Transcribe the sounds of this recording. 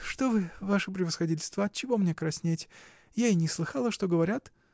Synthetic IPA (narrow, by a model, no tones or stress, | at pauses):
ʂt̪ovɨvaʂɨpɾʲɪvəsxɐdʲitʲɪlʲst̪vəɐt̪̚t͡ɕːɪvomnʲekɾɐsʲnʲetʲ | jaɪnʲɪslˠɨxɑlˠəʂt̪o̞ɡəvɐɾʲat̪